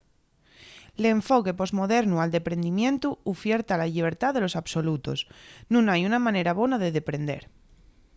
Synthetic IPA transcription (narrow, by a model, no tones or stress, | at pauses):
leɱfoke̞po̞zmo̞ðeɾnuald̪e̞pɾe̞nd̪imjẽ̞nt̪uufjeɾt̪alaʎiβ̞eɾt̪aðelo̞saβso̞lut̪o̰snũnajunamãne̞ɾaβ̞onaðeðepɾe̞nd̪e̞̰ɾ